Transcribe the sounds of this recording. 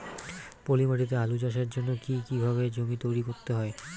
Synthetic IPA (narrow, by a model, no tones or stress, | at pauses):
polimaʈit̪̬ealud͡ʑaʃ̬aɾd͡ʑonːokikibʱaβed͡ʑomit̪ojɾikoɾt̪eɦɔe